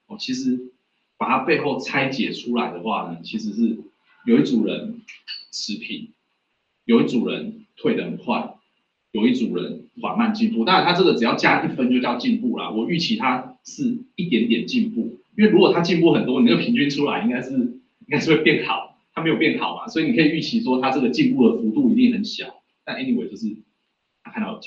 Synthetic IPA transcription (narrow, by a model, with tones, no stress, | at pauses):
ɔ˨˩t͡ɕʰi˧˥ʂɻ̩˧˥ | pa˨˩t̪ʰa˦˥pe˥˧ɪxo˥˩ʊt͡sʰa˦˥ɪt͡ɕjɛ˨˩ʈ͡ʂʰu˥la˨˦ɪd̪ə˨xwa̰˥˩nə˩t͡ɕʰi˧˥ʂ̬ɻ̩˧˦ʂɻ̩˥˩ | jo˨˩ʊi˥ʈ͡ʂu˨˩ŋɻə̰˧˦nʂʰɻ̩˧˦˥pʰḭ˨˩˦n | jo˨˩ʊi˥˩ʈ͡ʂu˨˩ɻə̰˧˦nt̪ʰwe˥˩ɪd̪ə˨˩ə˨˩nkʰwa̰˥˩ɪ | jo˨˩ʊi˥˩ʈ͡ʂu˨˩ɻə̰˧˦nxwa̰˨˩nma˥˧nt͡ɕi˥˧npu˥˧t̪a˥ŋɻa˧˦nʰa˥ʈ͡ʂɤ˥˩ɡə˩ʈ͡ʂ̩˨˩jɑ˥˩ʊt͡ɕja˥i˥˩fə˦nt͡ɕo˥˧jɑ˥˧ʊt͡ɕi˥˧npu˥˩la̰˩wɔ˨˩y˥˩t͡ɕʰi˧˥t̪ʰa˦ʂɻ̩˥˨i˥˩t̪jɛ˧˥nt̪jɛ˨˩nt͡ɕi˥˧npu˥˩i˥nwe˥˩ɻu˧˥kwt̪ʰa˥t͡ɕi˥˧npu˥˩xə˨˩nt̪wɔ˥ni˨˩t͡ɕjo˥˩pʰi˧˥ŋt͡ɕy˥˧nʈ͡ʂʰu˥la˧˦ɪi˥ŋɡa˥ɪʂɻ̩˥˩ | i˥ŋka˥ɪʂ̩˥˧˩we˥˧pjɛ˥˩nxɑ˨˩˦ʊ | t̪ʰa˥me˧˥jo˨˩pjɛ˥˩nxɑ˨˩ʊma̰˦swɔ˧˥i˨˩ni˨kʰɤ˧˥i˨˩y˥˩t͡ɕʰi˧˥ʂwɔ˥t̪ʰa˥ʈ͡ʂɤ˥˩ɡə˩t͡ɕi˥˧npu˥˩d̪ə˩fu˨˥t̪u˥˩i˧˥t̪i˥˩ŋxə˨˩nɕjɑ̰˨˩˦ʊ | t̪a˥˧nʔe˥ni˥˩we˨˩t͡ɕjo˥˧ʂɻ̩˥˩ | t̪ʰa˥kʰa˥nt̪ɑ˥˩˨